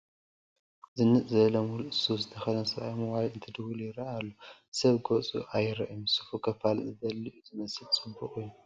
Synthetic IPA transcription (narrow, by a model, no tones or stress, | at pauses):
zɨnːɨt͡sʼzɐβɐlɐmulʔɨsuzɨt̪ʰɐxɐnɐsɐβa̰jmɐwajɨnt̪ʰɨd̪ɨwuljɪɾɐʔalːosɐβɡot͡sʼṵʔajɪɾɐ̰ʔjumsu̥fukʰɐfalzɨd̪ɐlːiʔuzɨmɐsɨlt͡sʼɨbːuχʼujːu